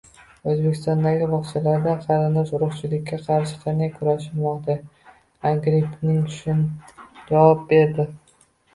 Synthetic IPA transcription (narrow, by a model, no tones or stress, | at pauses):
ɵzbekʲʰɪ̥st̪ɒnd̪aɡʲɪbɒχt͡ʃʰalaɾd̪anqʰɑɾɪnd̪ɒʃʊɾʊχt͡ʃʰɪlɪkʲʰːaqʰɑɾʃɪ̥qʰɑnajkʰʊɾaʃɪlmɒqt̪a | aɡɾɪpnɪŋʊʃʰɪnd͡ʒavɒp̚be̞ɾd̪ɪ